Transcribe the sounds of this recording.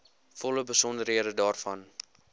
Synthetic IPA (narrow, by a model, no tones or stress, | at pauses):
fɔləbəsɔndəɾɦiədədɑːrfɐn